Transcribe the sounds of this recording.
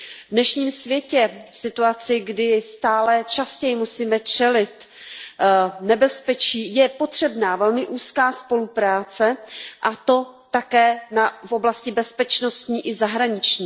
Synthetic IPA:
vdnɛʃɲiːmsvjɛcɛfsɪt̪uat͡sɪɡdɪst̪aːlɛt͡ʃascɛjɪmusiːmɛt͡ʃɛlɪt̪ | nɛbɛspɛt͡ʃiːjɛpo̞t̪r̝̥ɛbnaːvɛlmɪʔuːskaːspo̞lupɾaːt͡sɛʔat̪o̞t̪akɛːnafo̞blascɪbɛspɛt͡ʃno̞st̪ɲiːʔɪzaɦɾaɲɪt͡ʃɲiː

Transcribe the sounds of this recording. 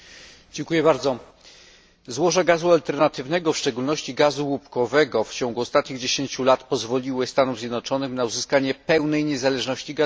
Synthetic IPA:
d͡ʑɛŋkujɛbaɾd̪zɔ | zwɔʐaɡazualt̪ɛɾnat̪ɘvnɛɡɔfʂt͡ʂɛɡulnɔɕt͡ɕiɡazuwupkɔvɛɡɔft͡ɕɔŋɡuɔst̪at̪ɲiɣd͡ʑeɕeɲt͡ɕulat̪pɔzvɔlʲiwɘst̪anuvzʲjɛd̪nɔt͡ʂɔnɘxnauzɘskaɲɛpɛwnɛjɲɛzalɛʐnɔɕt͡ɕiɡa

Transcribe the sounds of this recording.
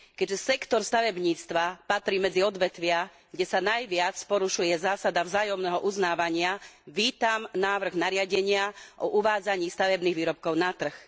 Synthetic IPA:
kɛʒɛsɛkt̪ɔɾst̪aʋɛbɲiːt͡st̪ʋapat̪ɾiːmɛd͡ziɔd̪ʋɛt̪ʋɪa | ɡɟɛsanajʋɪat͡spɔɾuʃujɛzaːsad̪avzaːjɔmnɛːɦɔʔuznaːʋaɲɪaʋiːt̪amnaːʋr̩ɣnaɾɪaɟɛɲɪaʔɔʔuʋaːd͡zaɲiːst̪aʋɛbniːɣʋiːɾɔp̚kɔʊnat̪r̩x

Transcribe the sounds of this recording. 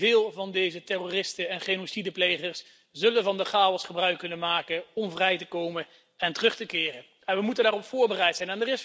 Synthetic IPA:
vɪːlˠvɑndejzətɛroːrɪstəɛnχenosidəplejχəɹs | zɵlənvɑndəχaːɔsχəbrœɥkːɵnənmaːkənɔmvrɛjtəkowmən | ɛntərɵχtəkɪːrən | ɛnʋəmutəndaːrɔpfʊːɹbərɛjtsɛjnɛndərɪs

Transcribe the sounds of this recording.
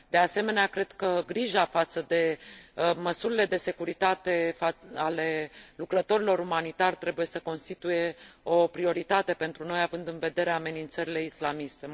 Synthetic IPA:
d̪e̞ase̞me̞neakɾe̞d̪kəɡɾiʒafat̪səd̪e̞ | məsuɾile̞d̪e̞se̞kuɾit̪at̪e̞faale̞lukɾət̪o̞ɾilo̞ɾumanit̪arʲt̪ɾe̞buje̞səko̞nst̪it̪uje̞o̞pɾio̞ɾit̪at̪e̞pe̞nt̪ɾuno̞javɨnd̪ɨnve̞d̪e̞ɾeame̞nint̪səɾile̞islamist̪e̞

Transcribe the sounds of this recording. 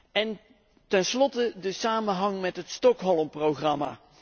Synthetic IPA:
ɛn | tɛnslɔtədəsaːmənɦɑŋmɛtɦətstɔkɦɔlˠmprowχrɑma̰ː

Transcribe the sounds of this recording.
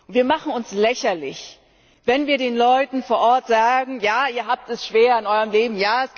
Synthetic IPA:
ntv̥iːɐmaχn̩ʊnslɛçɐlɪç | vɛnviːɐdeːnlɔʏtn̩foːɐʔɔɐtz̥aːɡŋ̩jaːiːɐɦaːp̚tɛsʃv̥eːɐɪnʔɔʏʁəmleːbm̩jaːɛs

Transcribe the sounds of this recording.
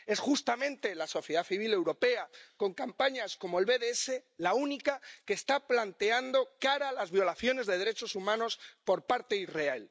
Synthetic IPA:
e̞sxust̪amẽ̞nt̪e̞laso̞θje̞ð̞aθiβ̞ile̞wɾo̞pe̞ako̞ŋkampaɲasko̞mo̞e̞lβe̞ðeese̞launikake̞ːst̪aplant̪e̞and̪o̞kaɾalazβjo̞laθjo̞ne̞zðe̞ð̞e̞ɾe̞t͡ʃo̞sumãno̞spo̞ɾpaɾt̪e̞ireal

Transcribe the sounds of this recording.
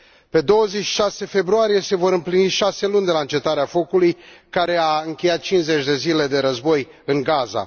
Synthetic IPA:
pe̞d̪o̞wəze̞t͡ʃːʃase̞fe̞bɾuaɾije̞se̞vo̞ɾɨmpliniʃase̞lund̪e̞laɨnt͡ʃe̞t̪aɾeafo̞kulujkaɾe̞aɨŋkʲe̞jat̪̚t͡ʃinze̞t͡ʃʲd̪e̞zile̞d̪e̞ɾəzbo̞j | ɨŋɡaza̰

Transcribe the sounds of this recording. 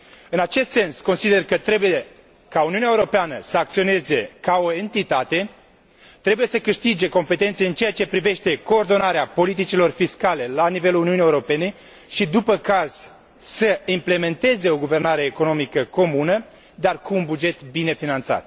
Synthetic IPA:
ɨnat͡ʃe̞st̪se̞nsko̞nsid̪e̞rkət̪ɾe̞buje | kauniunaeuɾo̞peanəsəak̚t̪sio̞ne̞ze̞kao̞e̞nt̪it̪at̪e̞ | t̪ɾebuje̞səkɨʃt̪id͡ʒe̞ko̞mpe̞t̪e̞nt̪seɨnt͡ʃejat͡ʃe̞pɾive̞ʃt̪e̞ko̞ːrd̪o̞naɾeapo̞lit̪̬it͡ʃilo̞rfiskale̞lanive̞luluniunijeuɾo̞pe̞ne̞ | ʃid̪upəkaz̥ | səimple̞me̞nt̪e̞ze̞o̞ɡuve̞rnaɾe̞ːko̞no̞mikəko̞munə | d̪arkuːnbud͡ʒe̞t̪bine̞finant̪sa̰t̪̚

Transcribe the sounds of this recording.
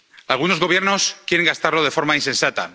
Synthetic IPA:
alɣuno̞zɣo̞β̞je̞ɾno̞skje̞ɾe̞ŋɡast̪aɾlo̞ð̞e̞fo̞ɾmainse̞nsat̪a̰

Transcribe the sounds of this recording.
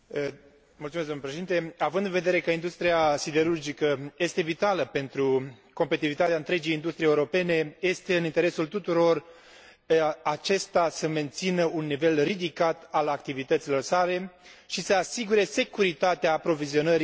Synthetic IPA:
mult̪sumezd̪omnlepɾeʃeint̪e̞avɨnd̪ɨnve̞d̪e̞ɾe̞kəind̪ust̪ɾiasid̪e̞ɾurd͡ʒikəje̞st̪e̞vit̪aləpe̞nt̪ɾuko̞mpet̪ivit̪at̪eaɨnt̪ɾe̞d͡ʒijind̪ust̪ɾijeuɾo̞pe̞ne̞je̞st̪e̞ɨnint̪e̞ɾe̞sult̪ut̪uɾo̞r | at͡ʃe̞st̪asəme̞nt̪sinəunːive̞lrid̪ikat̪alakt̪ivit̪ət̪silo̞rsale̞ʃisəasiɡuɾe̞se̞kuɾit̪at̪eaːpɾo̞vizio̞nəɾi

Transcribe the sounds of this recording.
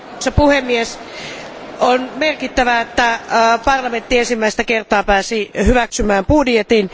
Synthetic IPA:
sepuhemːies | onmerkit̪ːæʋæet̪ːæpɑrlɑment̪ːiensimːæist̪ækert̪ɑːpæːsihyʋæksymæːmpudjet̪in

